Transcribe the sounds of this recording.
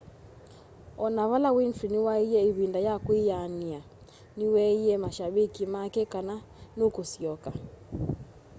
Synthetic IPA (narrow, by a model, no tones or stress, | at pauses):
ɔnaβalawinfɾiniwaijɛiβindajakuiania | niwɛiɛmaʃaβikimakɛkana | nukusiɔka